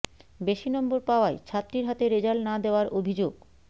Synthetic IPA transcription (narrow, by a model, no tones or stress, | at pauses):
beʃinɔmboɾpaoajt͡ɕʰat̪ːɾiɾɦat̪eɾed͡ʑalnad̪eoaɾobʱid͡ʑoɡ